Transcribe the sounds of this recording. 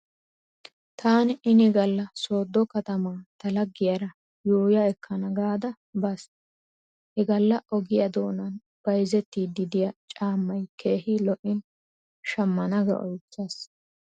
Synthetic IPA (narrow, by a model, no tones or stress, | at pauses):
t̪ʰaːnɪnɪɡɐlːɐso̞ːd̪ːɔkɐt̪ɐmaːt̪ɐlɐɡːɪjɐɾɐ | joːjɐɛkːɐnɐɡaːd̪ɐ | bɐs | hɛɡɐlːɐʔɔɡɪjɐd̪o̞ːnɐn | b̥ɐjzɛt̪ːiːd̪ɪd̪ɪjɐt͡ʃʼaːmːɐjkʰeːhilɔʔɪn | ʃɐmːɐnɐɡɐ̰ʔɔ̰jt͡sːɐs